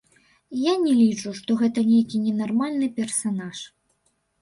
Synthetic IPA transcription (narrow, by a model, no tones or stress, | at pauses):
janʲɛlʲit͡ʂuʂt̪ɔɣɛt̪ɐnʲejkʲinʲɛnarmalʲnɨpʲɛrsanaʂ